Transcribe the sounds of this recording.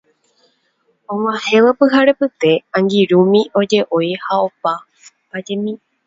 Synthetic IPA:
õŋãhẽ̞ʋapɨɦaɾepɨt̪e̞ãŋɡiɾũmĩʔo̞d͡ʒe̞ʔo̞jhao̞pa | pad͡ʒemĩ

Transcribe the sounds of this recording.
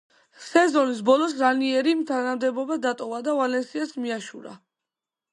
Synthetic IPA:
sɛzɔnis̬bɔlˠɔsɾaniɛɾimt̪ʰanamd̪ɛbɔbad̪at̪ʼɔvad̪avalɛnsiasmiaʃuɾa̰

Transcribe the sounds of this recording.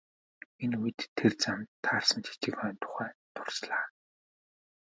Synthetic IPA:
enujɘ̆t̪ʰːert͡samt̪ʰːaːrsə̆nt͡ɕʰi̥t͡ɕɘ̆kœːnt̪ʰʊ̥χæːt̪ʰʊrsɮaː

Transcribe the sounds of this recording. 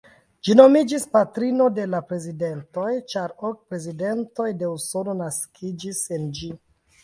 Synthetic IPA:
d͡ʒino̞mid͡ʒispatɾino̞de̞lapɾe̞zide̞nto̞jt͡ʃaɾok̚pɾe̞zide̞nto̞jde̞uso̞no̞naskʰid͡ʒisend͡ʒi

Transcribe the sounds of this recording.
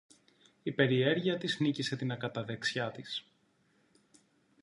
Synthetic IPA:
ipe̞ɾie̞ɾʝiɐt̪iznicise̞t̪inɐkɐt̪ɐðeksçɐt̪is

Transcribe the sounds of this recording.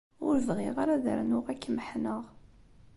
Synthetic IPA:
ʊ̰ɾvʁɪʁaɾaðə̰ɾnʊʁækːməħnəʁ

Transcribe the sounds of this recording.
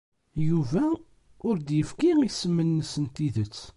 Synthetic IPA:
juvæ | ʊɾd̪jəfkiisəmːənːəsənt̪iðət͡sː

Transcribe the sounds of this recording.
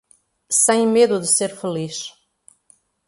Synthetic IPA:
sɐ̃j̃meðuðɨseɾfɨliʃ

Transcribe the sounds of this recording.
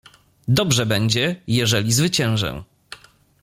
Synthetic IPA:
d̪ɔbʐɛbɛɲd͡ʑɛjɛʐɛlʲizvɘt͡ɕɛ̃w̃ʐɛ̰

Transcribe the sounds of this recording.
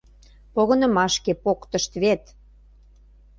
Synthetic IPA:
poɣɤ̆nə̆mɑʃkepokt̪əʃt̪βet̪

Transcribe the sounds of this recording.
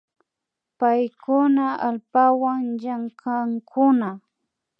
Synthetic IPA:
pajkʊnaalpawaŋʎaŋkʰaŋkʰʊna

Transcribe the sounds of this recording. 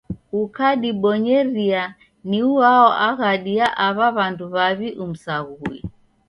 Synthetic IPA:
ukaɗiɓɔɲɛɾia | niuaɔʔaɣaɗiaʔaβaβanduβaβiʔum̩saɣuḭ

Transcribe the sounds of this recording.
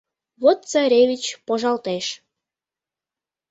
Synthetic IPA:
βot̪̚t͡sɑɾʲeβʲit͡ɕpoʒɑlt̪eʃ

